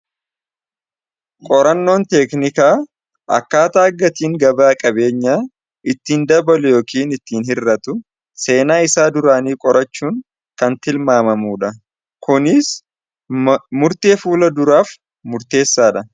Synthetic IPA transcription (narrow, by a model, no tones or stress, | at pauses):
kʼɔɾɐnːo̞ːnt̪ɛknɪkaː | ʔɐ̰kːaːt̪aːɐɡːɐt̪iːŋɡɐbaːkʼɐbe̞ːɲːaː | ɪt̪ːiːnd̪ɐbɐlʊjo̞ːkiːnɪt̪ːiːnhɪrːɐt̪ʊ | se̞ːnaːɪsaːd̪ʊɾaːniːkʼɔɾʔɐt͡ʃːuːŋ | kɐnt̪ɪlmaːmɐmuːᶑɐ | kʊnɪs | mʊɾt̪e̞ːfuːlɐd̪ʊɾaːf | mʊɾt̪e̞ːsːaːᶑɐ